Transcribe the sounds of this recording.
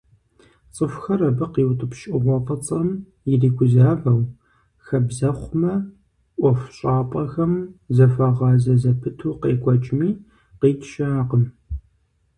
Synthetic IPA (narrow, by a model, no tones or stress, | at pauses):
t͡sʼəfxɐrɐbɐqiːwtʼɨpʃʼɪʁʷɔqʼɐt͡sʼɐm | jɪriːkʷʰʊzaːvɐw | xɐbzɐχʷʊmɐ | ʔʷɔfɕʼɑːpʼɐxɐmzɐfɐʁɑːzɐzɐpʰɨtʰuːqeːkʷʰʼɔt͡ʃʼmiː | qiːtʰʃaːqəm